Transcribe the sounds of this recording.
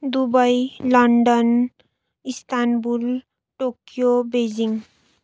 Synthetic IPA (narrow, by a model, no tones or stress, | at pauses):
d̪ubʌjlʌɳɖʌn | ist̪ʰanbul | ʈokjobed͡ʑiŋ